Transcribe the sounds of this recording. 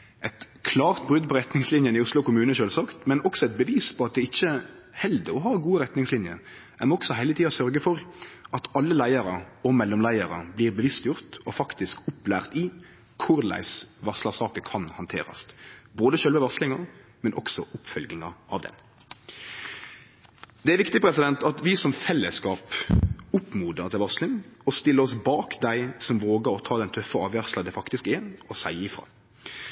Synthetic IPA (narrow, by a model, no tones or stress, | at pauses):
ʔɛt̪ | kʰlɑːʁt̪̚bʁʉd̪pʰɔɾɛt̪nɪŋslɪnjənɪʊslʊkʊmʉːnəʃøːlsɑːkt̪mɛnɔksɔɛt̪̚bəʋiːspʰɔɑt̪̚d̪ɛɪçːə | hɛld̪əɾɔɦɑːɡuːəɾɛt̪nɪŋslɪnjəɾ | æmɔksɔɦɛɪlət̪ʰiːɔsœɾɡəfɔɾʔɑt̪ɑlːəlæɪəɾəɔmɛlːɔmlæɪəɾəbliːɾbəʋɪst̪jʊɾt̪ɔfɑkt̪ɪskʊplæːʁt̪ɪ | kʰʊɾlæ̰ɪsʋɑʁslɑsɑːkəkʰɑnhɑnt̪ʰḛːɾɑ̰st̪boːd̪əʃœlʋəʋɑslɪŋɑmɛnʔɔ̰ksɔʔʊpfœlɡɪŋɑʔɑ̰ʋd̪ɛ̰n | d̪ɛæɾʋɪkt̪ɪpʰɾɛsɪd̪ɛnt̪ɑt̪ʋɪsɔmfɛlːəskɑːpʊpːmuːd̪əʁt̪ɪlʋɑʁslɪŋɔst̪ɪlːəɾɔsbɑːkd̪æɪsɔmʋoːɡəɾɔt̪ʰɑːd̪ɛnt̪ʰœfːəɑːʋʋæʁslɑd̪ɛfɑkt̪ɪskɛɔsæɪɪfɾɑ̰ː